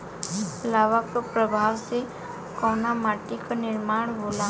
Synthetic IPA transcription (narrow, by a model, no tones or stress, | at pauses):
laːʋakapɾəbʱaːwse | kɔːnamaːʈikanɪɾmaːɽ̃ɦoːla